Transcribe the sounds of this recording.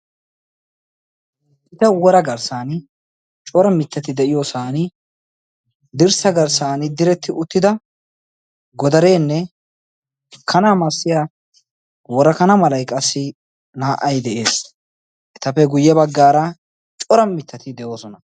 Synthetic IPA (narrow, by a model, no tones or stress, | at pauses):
ɪt̪ɐwɔɾɐɡɐɾsaːnɪ | t͡ʃʼɔɾɐmɪt̪ːɐt̪ɪd̪ɛʔɪjoːsaːnɪ | d̪ɪɾsɐɡɐɾsaːnɪd̪ɪɾɛt̪ːɪʔʊt̪ːɪd̪ɐ | ɡɔd̪ɐɾe̞ːnːɛ | kʰɐnaːmɐsːɪja | wɔɾɐkɐnɐmɐlɐjkʼɐsːɪ | naːʔːɐjd̪ɛʔe̞ːs | ʔɛt̪ɐpːɛɡʊjːɛbɐɡːaːɾɐ | t͡ʃʼɔɾɐmɪt̪ʰːɐt̪ɪd̪ɛjo̞ːsɔnɐ